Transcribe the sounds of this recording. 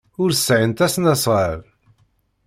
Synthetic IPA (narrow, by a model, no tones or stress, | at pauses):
ʊɾsʕənt̪æsnæsˤʁəɾ